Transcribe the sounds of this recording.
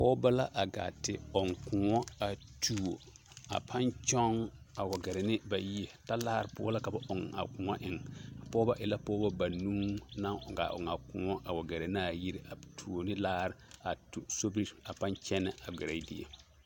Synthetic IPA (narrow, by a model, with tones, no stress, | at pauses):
pɔː˦ba˦la˦ʔa˨ɡa̰˨tɪ˨ɔ˨ŋkʊ˨ŋɔ˦a˨tʰu˨o˨ | a̰˨pʰa˦nt͡ʃɔ˦ŋ | a˨wa˨ɡɛ˨ɾɪ˨nɪ˦ba˨ji˦e˨ta˦laː˦ɾpʊ̰˦ɔ̰˦la˦ka˨ba˨ʔʊ˨ŋa̰˨kʊ˨ŋɔ˦ʔɪ˨ŋ˨pɔː˦ba˦ʔɪ˨la˦pɔː˦ba˦ba˨nuː˦na˦ŋɔ˨ɡa̰˨ʊ˨ŋa˨kʊ˨ŋɔ˦ʔa˨wa˨ɡɛ˨ɾe˨n˦a˦˨ji˦ɾi˨ʔa˨tʰu˨o˨nɪ˦laː˦ɾɪ˨a˨tu˨so˦bɾi˦a˨pa˦nt͡ʃɛ˦nɪ˦ʔa˨ɡɪ˨ɾa˨i˦di˦ḛ˨